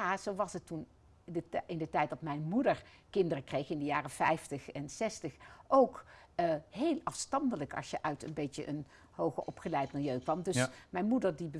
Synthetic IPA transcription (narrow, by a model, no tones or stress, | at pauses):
az̥owʋɑsɦətːun | əɪndətɛjt̚d̥ɑtmɛjnmudəɹ | kɪndərəkrejxɪndəjaːrəfɛjftəχɛnsɛstəχʔowkː | ɦejlɑfstɑndələkɑ̰ʃjəʔœɥtə̰nbejtə̰ʔən | howχəɔpχəlɛjtmɪlˠjøɥkʋɑmdɵsmɛjnmudəɹdibə